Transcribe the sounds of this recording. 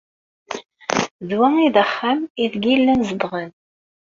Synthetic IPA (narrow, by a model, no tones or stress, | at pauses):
ðwæŋiðəχːæmiðɡilːænzəd̪ʁən